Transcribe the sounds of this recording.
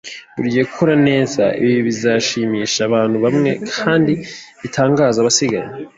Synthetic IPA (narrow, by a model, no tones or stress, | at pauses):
βuɾɟiekukʰoɾane̞ːza̰ḭβiββizaʃiːmiːʃaβaːn̥huβamŋe̞̰kʰaːndiβitʰaːŋɡaːzaβasiɡaɲe